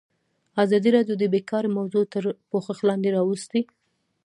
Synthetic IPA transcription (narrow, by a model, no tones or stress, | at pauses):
azɑd̪iɾɑd̪jod̪əbekɑɾmawzot̪əɾpoxəxlɑnd̪eɾɑwust̪i